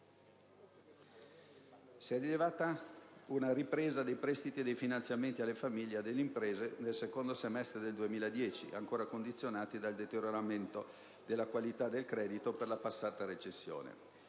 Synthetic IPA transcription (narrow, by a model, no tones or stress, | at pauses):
siɛdilevaːt̪aunaɾipɾeːzad̪ejpɾɛst̪it̪ied̪ejfinant̪sjament̪ialːefamiʎːed̪elːeimpɾeːzenelsekond̪osemɛst̪ɾed̪eld̪uemiːlad̪jɛːt͡ʃḭa̰ŋkoːɾakond̪it̪sːjonaːt̪id̪ald̪et̪eɾjoɾament̪o | d̪elːakwalit̪ad̪elkɾɛːd̪it̪operlapasːaːt̪aɾet͡ʃesːjo̰ːnḛ